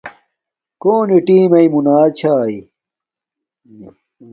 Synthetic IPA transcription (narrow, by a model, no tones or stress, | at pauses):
koːniʈiːmɐimunaːt͡ɕʰaːi